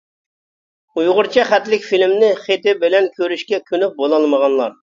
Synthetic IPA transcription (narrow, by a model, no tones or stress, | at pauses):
ujʁʊɾt͡ʃʰɛχæt̪lɪkʲfilmnɪχet̪ɪbɪlɛnkʲʰøɾyʃkʲɛkʲʰynyp̚bolˠɑlˠməʁɑnlˠɑ̰ɾ